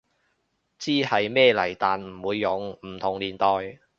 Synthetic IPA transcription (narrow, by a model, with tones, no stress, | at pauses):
t͡siː˥hɐ˨jmɛː˥˧lɐ˨˩jt̪aː˨nm̩˨˩wuː˨˧jːʊ˨˧ŋm̩˨˩t̪ʰʊ˨˩ŋliː˨˩nt̪ɔː˨˧j